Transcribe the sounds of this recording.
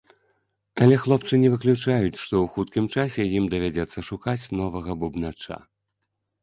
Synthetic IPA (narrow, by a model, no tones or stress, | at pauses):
ɐlʲɛxlˠɔpt͡ʂɨnʲɛvɨklʲut͡ʂajut͡sʲʂt̪ɔwxut̪̚kʲimt͡ʂasʲɛjimd̪ɐvʲad͡zʲɛt̪sːɐʂukat͡sʲnɔvɐɣɐbubnat͡ʂa̰